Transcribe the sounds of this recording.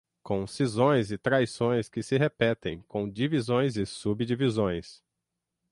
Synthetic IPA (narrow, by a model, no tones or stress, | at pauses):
kõw̃sizõj̃zɪt̪ɾajsõj̃skɪsɪɦepɛt̪ḛ̃j̃kõw̃d͡ʒivizõj̃zɪsubd͡ʒivizõj̃s